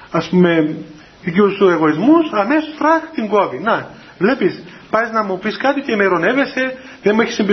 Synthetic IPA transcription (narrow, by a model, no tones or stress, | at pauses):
ɐspume̞ | ðiciust̪ue̞ɣo̞izmusɐmesost̪ɾɐxt̪iŋɡovinɐ | vle̞pis | pɐznɐmupiskɐt̪icemeɾo̞ne̞ve̞se̞ | ðenmueçi̥simbi